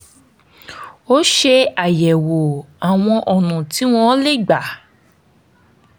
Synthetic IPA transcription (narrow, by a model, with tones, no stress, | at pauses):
o˦ʃe˧a˨jɛ˨wo˨a˨w̃ɔ̃˧ʔɔ˨nũ˨ti˨˦w̃ɔ̃˦le˦˨ɡ͡ba˨